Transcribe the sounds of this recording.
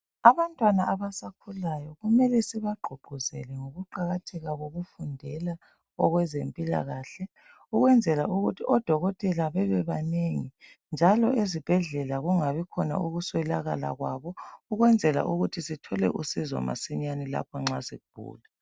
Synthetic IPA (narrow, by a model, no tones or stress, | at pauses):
aβantʼwanaʔaβasakʰulajɔɣumɛlɛsɛβaɡ͡ǃʱuɡ͡ǃʱuzɛ̰lɛŋoɣuǃaɣatʰɛɣaɣoɣufundʱɛla | ɔɣwɛzempʼila̰ɣaɬɛ | uɣwɛnd͡zʱɛlauɣutʰiʔɔd̥ʱɔɣɔtʼɛlaβɛβɛβaneŋi | nd͡ʒʱalɔʔezib̥ʱɛɮɛlaɣuŋaβikʰɔna̰uɣuswɛlaɣa̰la̰ɣwaβɔuɣwɛnd͡zʱɛla̰ʔuɣutʰisitʰɔlɛ̰ʔusizɔ̰ma̰siɲanila̰pʰɔŋ͡ǁaziɣub̥ʱṵːla